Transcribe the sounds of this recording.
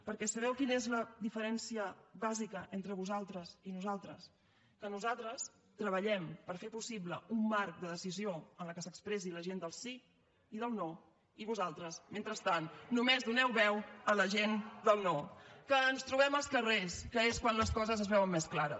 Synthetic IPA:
pəɾkɛsəβ̞ɛwkinəezləðifəɾɛnsiəβazikəʔent̪ɾəβuzalˠt̪ɾəsinuzalˠt̪ɾəs | kənuzalˠt̪ɾəs | t̪ɾəβəʎɛmpəɾfepusibləumːaɾk̚d̪əðəsizioənləkəsəkspɾɛsiləʒend̪əlˠsiː | ðəlˠnɔ | iβuzalˠt̪ɾəsment̪ɾəst̪anːumezðunɛwβɛwələʒend̪əlˠnɔkəːnst̪ɾuβɛməlˠskəreskəeskwanləskɔzəzəzβɛwəmːesklaɾə

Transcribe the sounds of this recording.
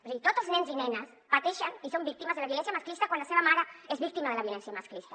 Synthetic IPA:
sit̪ot̪oznenzinenas | pat̪eʃanisombik̚t̪imazðelaβjolens̬jamasklist̪akwandlaseβamaɾaezβik̚t̪imaðelaβjolensjamasklist̪ḁ

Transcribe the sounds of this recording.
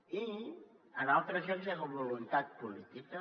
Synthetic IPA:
i | ənalˠt̪ɾəzenzaloβulunt̪at̪̚pulit̪ikə

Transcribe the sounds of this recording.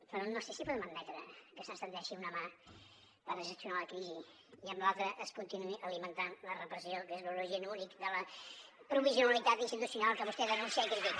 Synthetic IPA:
pəɾɔnosesipɔðəmənmɛt̪ɾə̰kəsənst̪ənd̪ɛʃiunəma | barəsəsiunaləkɾizi | iəmblalˠt̪ɾəʔəskunt̪inuiʔəlimənt̪anlərəpɾəsiokəezluluʒiənunikd̪ələpɾuβizijunəlit̪at̪inst̪it̪usiunalˠkəβust̪ɛðənũnsiaikɾiðik

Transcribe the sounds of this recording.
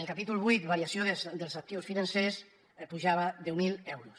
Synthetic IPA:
elˠkapit̪ulˠβujt̪βaɾjasjoðd̪elˠzak̚t̪iwsfinanses | puʒaβaðɛwmilɛwɾus

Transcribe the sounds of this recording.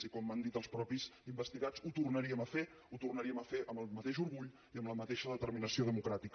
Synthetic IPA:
ikɔmːand̪it̪əlˠspɾɔpizimbəst̪iɣat͡sut̪urnəɾiəməfe | ut̪urnəɾiəməfeʔəməlˠmət̪eʃuɾɣuʎ | iəmbləmət̪eʃəðət̪əɾminəsioðəmukɾat̪ik

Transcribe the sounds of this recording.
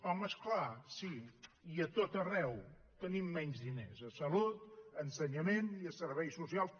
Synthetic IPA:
ɔməsklasiiət̪ot̪ərɛw | t̪ənimːɛɲzðinezəsəlut̪ənsəɲəmeniəsəɾβɛjsːusialˠs

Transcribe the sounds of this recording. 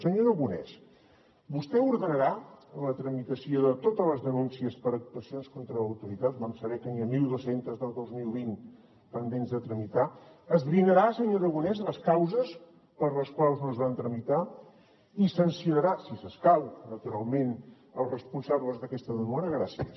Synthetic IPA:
səɲoɾəɣunɛ̰s | bust̪ɛuɾðənəɾalət̪ɾəmit̪əsioðət̪ot̪ələzðənunsiəspəɾək̚t̪uəsionskont̪ɾəəwt̪uɾit̪at̪̚βansəβɛkəniəmilˠd̪osent̪əzðəlˠd̪ozmilˠβin | pənd̪enzðət̪ɾəmit̪aəzβɾinəɾaəsəɲoɾəɣunɛzləskawzəs | pəɾləskwalˠznoəzβant̪ɾəmit̪a | isənsiunəɾasisəskawnət̪uɾalˠmen | əlˠzrəspunsaβləzðəkɛst̪əðəmɔɾəɣɾasiəs

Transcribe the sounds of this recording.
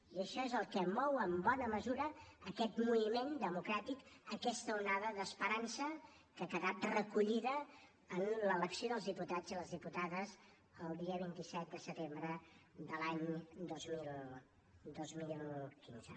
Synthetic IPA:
iəʃɔezəlˠkəmɔwəmbɔnəməzuɾəːkɛt̪muimend̪əmukɾat̪ikəkɛst̪əunaðəðəspəɾansə | kəkəðat̪rəkuʎiðəː | nlələksijoðəlˠzðiput̪ad͡ziləzðiput̪aðəz | əlˠd̪iəβ̞int̪isɛt̪̚d̪əsət̪embɾəd̪əlaɲd̪ozmilˠ | d̪ozmillˠkinzə̰

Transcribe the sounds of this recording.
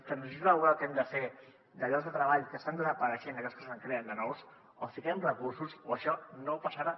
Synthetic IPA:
kənizələβuɾalˠkɛmd̪əfe | d̪əʎɔɡzðət̪ɾəβaʎkəst̪and̪əzəpəɾəʃenəkɛskəsaŋkɾeənd̪ənɔws | ofikɛmrəkuɾsusoəʃɔnowpasaɾa

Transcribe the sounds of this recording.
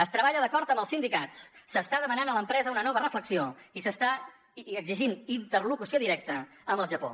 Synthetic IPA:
əst̪ɾəβaʎəðəkɔɾt̪əmbəlˠsind̪ikatt͡ssəst̪aðəmənanələmpɾɛzəunənɔβərəfləksioisəst̪a | əɡziʒinint̪ərlukusioðiɾɛk̚t̪ə | əmbəlˠʒəpo̰

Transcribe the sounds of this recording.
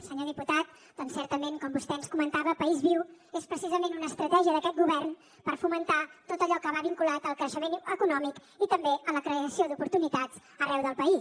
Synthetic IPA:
səɲoðiput̪at̪̚ | d̪̥ɔnsɛɾt̪əmeŋkɔmbust̪ɛənskumənt̪aβəpəizβiwespɾəsizəmenunəːst̪ɾət̪ɛʒiəðəkɛt̪̚ɡuβ̞ɛrn | pəɾfumənt̪at̪ot̪əʎɔkəβaβiŋkulat̪əlˠkɾəʃəmenəkunɔmik | it̪əmbeəmləkɾəəsiod̪upuɾt̪unit̪att͡s | ərɛwðəlˠpəi

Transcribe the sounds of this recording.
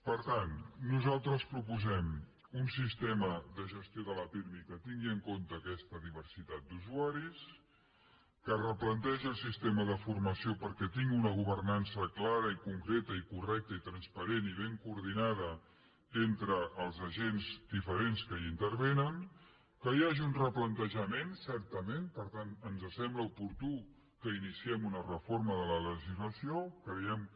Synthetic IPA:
pəɾt̪anːuzalˠt̪ɾəspɾupuzɛm | unsist̪eməðəʒəst̪ioðələpiɾmikət̪iŋɡiəŋkont̪əːkɛst̪əðiβ̞ərsit̪at̪̚d̪uzuaɾis | kərəplənt̪ɛʒiəlˠsist̪eməð̞əfurməsiopəɾkɛt̪iŋɡunəɣ̞uβ̞ərnansəklaɾəikuŋkɾet̪əikurɛk̚t̪əit̪ɾənspəɾeniβ̞eŋkuːɾðinaðə | ent̪ɾəʔːlˠzəʒenzd̪ifəɾenskəint̪əɾβenən | kəjaʒiunrəplənt̪əʒəmensɛɾt̪əmenpəɾt̪anənzəsɛmbləupuɾt̪u | kəinisiɛmunərəfoɾməðələləʒizləsiokəðɛjɛm

